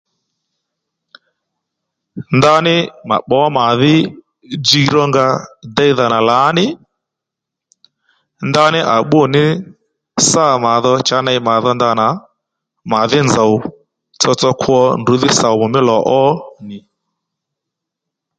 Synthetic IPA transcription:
nda˦nɪ˦ma̰˨ɓɔ˦ma˨ðɪ˦ | d͡ʒi˧˦ɾɔ˦ŋɡa˧da˦i˦ða˨na˨la˨˦nɪ˦ | nda˦nɪ˦ʔa˨ɓʊ˦˨nɪ˦ | sa˦˨ma˨ðɔ˧t͡ʃa˨˦na˧i˧ma˨ðɔ˦nda˧na˨˦ | ma˨ðɪ˦nd͡za˨u˨ | t͡sɔ˧t͡sɔ˦kʰwɔ˦ndʊ˨˦ðɪ˦sa˨u˨mʊ˨mɪ˦lɔ˨ʔɔ˦nɪ˨

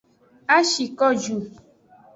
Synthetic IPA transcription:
a˦ʃi˨kɔ˦d͡ʒu˨

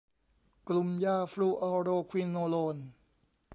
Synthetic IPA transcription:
klu˧mjaː˧˩fluː˧˩ʔɔː˧ɾoː˧kʰwi˧nːoː˧loː˧n

